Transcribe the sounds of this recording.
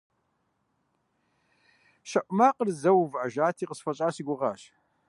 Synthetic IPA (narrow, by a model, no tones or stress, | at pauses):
ʃɐʔʷʊmaːqərzɐwvʕaʒaːt̪ʰiːqəsfɐɕʼaːsiɡʷʊʁɑːʃ